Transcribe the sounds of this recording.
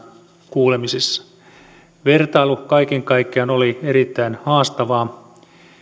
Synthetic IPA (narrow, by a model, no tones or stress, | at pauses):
kuːlemisesːɑ̥ | ʋe̞rt̪ɑilukɑikeŋkɑikːeɑnolieɾit̪ːæinhɑːst̪ɑʋɑː